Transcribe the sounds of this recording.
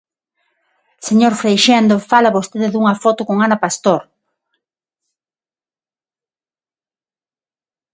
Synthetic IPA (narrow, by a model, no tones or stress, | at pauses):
seɲoɾfɾejʃend̪ofalaβost̪eðɪðuŋɐfɔt̪ʊkoŋanapast̪oɾ